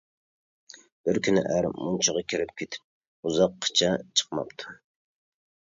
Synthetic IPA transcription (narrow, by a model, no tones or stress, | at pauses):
b̥ɪɾkʲynɪ̰ʔæɾmunt͡ʃʰɨʁɑkʲʰiɾɪp̚kʲʰet̪ʰɪ̥p̚ | uzɑqʰːɨ̥t͡ʃʰɑt͡ʃʰə̥qmɑ̰pt̪ʰu̥